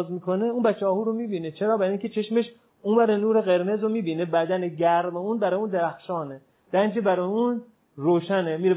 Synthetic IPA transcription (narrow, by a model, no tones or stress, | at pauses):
zmiːkʰoneuːnbæt͡ʃʰːɒːɦuːɾomiːbiːnet͡ʃʰeɾɒːbæɾiŋcʰet͡ʃʰeʃmeʃ | uːnbæɾenuːɾeɣe̞ɾme̞zɾomiːbiːnebæd̪æneɟæɾmeuːnbæɾɒːjũːnd̪eɾæxʃɒːne | d̪̥ænd͡ʒebæɾɒːjũːn | roːʃænemiːɾe